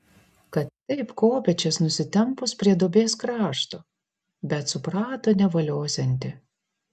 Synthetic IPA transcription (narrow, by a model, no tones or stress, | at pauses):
kɐt̪ːʲɛɪpkoːpʲɛt͡ʃʲɛsnʊsʲɪt̪ʲɛmpʊspʲɾʲiɛd̪oːbʲeːskɾɑːʃt̪oː | bʲɛt̪sʊpɾɑːt̪oːnʲɛʋɐlʲoːsʲɛnʲt̪ʲɪ